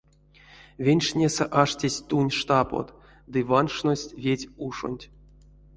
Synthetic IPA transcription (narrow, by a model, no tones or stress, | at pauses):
vʲenʲʂnʲesɛʔaʂtʲesʲt̪unʲʂt̪apo̰t̪ | d̪ɨvanʂnosʲtʲvʲetʲuʂo̰nʲtʲ